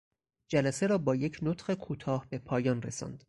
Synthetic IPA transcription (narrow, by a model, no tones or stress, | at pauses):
d͡ʒælæse̞ɾɒːbɒːje̞cʰnot̪χekʰuːt̪ʰɒːhbe̞pʰɒːjɒːnresɒ̰nd̪̥